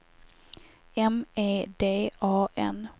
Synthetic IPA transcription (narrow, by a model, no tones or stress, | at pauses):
ɛmeːd̪eːɑːʔɛ̰n